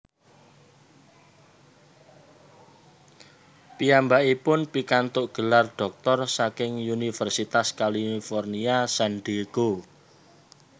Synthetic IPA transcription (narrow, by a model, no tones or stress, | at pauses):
piambaʔipʊnpikant̪ʊʔɡ̥ə̤larɖ̥ɔ̤k̚t̪ɔrsakɪŋunifɛrsit̪askalifɔrniasanɖ̪eɡ̥o